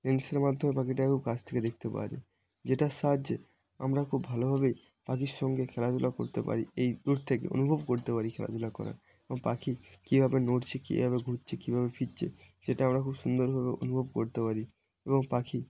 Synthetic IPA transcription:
nenseɾmad̪ʱomepakiʈakʰub̚kat͡ɕʰt̪ʰeked̪ek̚t̪epa̰ɾḭ | d͡ʑeʈasad͡ʑe | a̰mɾakʰubbʱalobʱabej | pakiɾʃɔŋɡekʰɛlad͡ʑ̪ulako̰ɾt̪epa̰ɾiejd̪uɾt̪ʰekḛʔo̰nubʱobkoɾt̪epaɾikʰɛ̰la̰t̪ulakɔ̰ɾa̰ɾ | eboŋpakikibʱabenoʈt͡ɕʰekḭbʱaβeɡʱutt͡ɕʰekibʱabefiɾt͡ɕʰḛ | d͡ʑeʈaamɾakʰubʃund̪oɾbʱabeo̰nubʱobkoɾt̪epaɾi | eboŋpaki

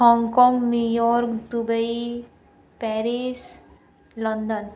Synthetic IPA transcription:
ɦɔŋɡkɔ̃ŋɡnujɔɾkd̪ubəi | pɛɾis | lɔnd̪ɔn

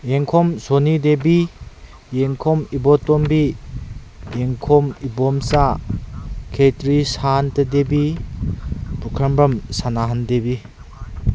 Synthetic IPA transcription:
eŋkʰɔmsonidebi | jeŋkʰɔmibɔtɔmbi | eŋkʰɔmibɔmsa | kʰetɾisantɐdebi | pukʰɐmbɐmsanaɦandebi

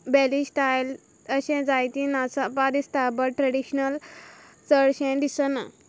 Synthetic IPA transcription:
bɛlisʈajl | əɕɛ̃d͡zajt̪ĩnasapaɾist̪abəʈʈɾəɽiɕnəlt͡səɽɕɛ̃ɖ̪isəna̰

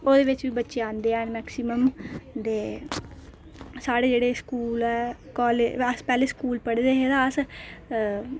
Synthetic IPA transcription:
oːd̪eːʋɪt͡ʃʋiːbətːʃeãːnd̪eːɛ̃ːnmɛːksiːməmd̪eː | saːɽeːd͡ʒeːɽeːskuːlɛːkɔːleəspɛːleːskuːlpəɽd̪eːɦed̪aəs

